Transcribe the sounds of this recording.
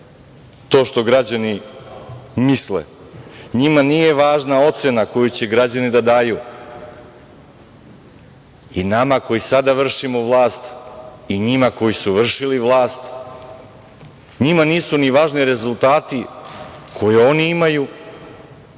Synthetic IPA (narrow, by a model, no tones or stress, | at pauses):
t̪o̞ːʃt̪o̞ɡɾad͡ʑani | mislḛ | ɲimaniːje̞ʋaːʒnao̞t̪senako̞jut͡ɕeɡɾad͡ʑanid̪ad̪aːju | inamako̞jisad̪aʋr̩ʃimoʋlˠaːst̪iɲimako̞jisuʋr̩ʃiliʋlˠaːst̪ | ɲimaniːsuniʋaːʒniɾe̞zulˠt̪aːt̪i | kʰo̞jeo̞niimaju